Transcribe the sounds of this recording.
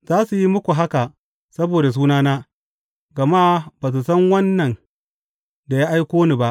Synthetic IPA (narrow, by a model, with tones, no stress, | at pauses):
z̥aː˦su˨ji˦mʊ˦kʷu˨ɦa˦ka˨ | sɐ˦boː˨da˨s̬uː˦naː˦naː˦ | ɡɐ˨maː˦baː˨s̬u˨sɐ˦ŋwɐ˦nːɐ˨n | da˨jaː˦ʔa˦jkʷoː˦ni˨ba˦ʔ